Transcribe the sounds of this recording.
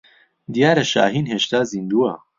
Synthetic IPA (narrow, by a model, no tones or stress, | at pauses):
d̪ijaːɾɐʃa̰ːɦiːnɦeːʃt̪aːzind̪uwɐ̰